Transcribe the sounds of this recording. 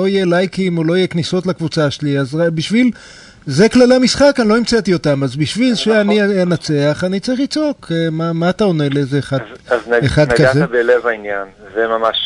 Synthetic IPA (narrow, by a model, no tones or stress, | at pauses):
oijelajkimolo̞ijekniso̞t̪lakvut͡saʃeliazbiʃvil | zeklaleamisχakanlo̞imt͡set̪io̞tamazbiʃvilʃeaninat͡se̞aχanit͡saʁiχit͡so̞kʰemamaːt̪aonelezeːχadzaznaeχadɡkazteabelevainjanzemamaʃ